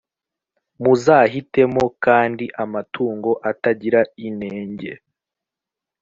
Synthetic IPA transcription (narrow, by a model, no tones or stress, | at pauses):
muzaːɦite̞mo̞kaːndiʔamatʰuːŋɡo̞ʔataɟiɾaine̞ːɲɟe̞